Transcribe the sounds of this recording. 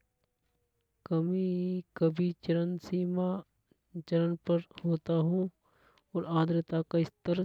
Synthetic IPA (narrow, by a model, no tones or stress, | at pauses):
kɐmĩkɐbʱit͡ʃɐɾənsiːma | t͡ʃɐɾənpɐɾhoːt̪aɦũ | ɔːɾaːd̪ɾət̪akaɪst̪əɾ